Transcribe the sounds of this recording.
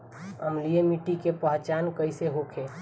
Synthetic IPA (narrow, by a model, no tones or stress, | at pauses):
əmlijemiʈikepəɦt͡ʃankəɪseɦokʰe